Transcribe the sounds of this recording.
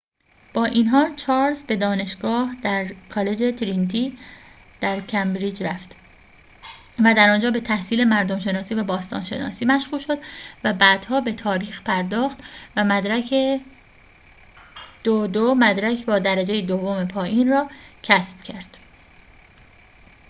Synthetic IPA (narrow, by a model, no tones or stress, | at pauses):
b̥ɒːʔiːnɦɒːt͡ʃʰɒːɾsbe̞d̪ɒːne̞ʃɡɒːhd̪̥æɾkʰɒːle̞d͡ʒe̞t̪ʰɾint̪ʰiː | d̪̥æɾcʰæmbɾiːd͡ʒɾæft̪ | væd̪æɾɒːnd͡ʒɒːbe̞t̪ʰæhsiːle̞mæɾd̪omʃe̞nɒːsiːvæbɒːst̪ɒ̰ːnʃe̞̰nɒ̰ːsiːmæʃɣuːlʃo̞d̪væbæːd̪̥hɒːbe̞t̪ʰɒːɾiːxpʰæɾd̪ɒːxt̪væmd̪ɾæe | d̪̥od̪omæd̪ɾæcʰbɒːd̪æɾæd͡ʒe̞jed̪ovːome̞pʰɒːʔiːnrɒːcʰæsb̥cʰæɾd̪̥